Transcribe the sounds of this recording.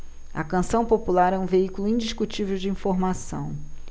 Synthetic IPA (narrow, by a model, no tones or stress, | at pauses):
ɐ̰kɐ̃sɐ̃w̃populaɾɛũveikuluĩd͡ʒiʃkut͡ʃivewd͡ʒɪĩfoɾmasɐ̰̃w̃